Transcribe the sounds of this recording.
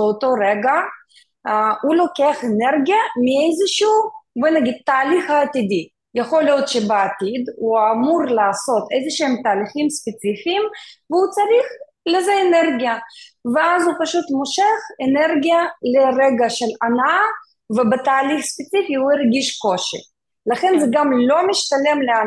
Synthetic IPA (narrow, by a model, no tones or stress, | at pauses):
ot̪o̞ɾeɡa | hulo̞keaχeneɾɡijamiejzeʃuvenaɡid̪̚t̪aːliχhaːt̪id̪i | jaχo̞ljot̪ʃebeat̪id̪uamuɾlaːso̞t̪ejzeʃeemt̪aːliχimspet͡sifiːmveut͡sɐɾiχ | lezeːneɾɡija | veazupaʃut̪moʃeχeneɾɡʲijaleɾeɡaʃelanaa | vebet̪aːliχspet͡sifiuiɾɡiʃko̞ʃḭ | laχenzɛɡamlo̞miʃt̪alemlea